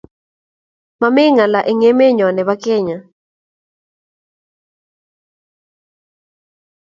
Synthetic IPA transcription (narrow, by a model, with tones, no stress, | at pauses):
mamɪ˦ŋa˨la˨ʔe˨ŋe˦me˦ɲɔ˨nɛ˨βa˦kɛ˦ɲa˨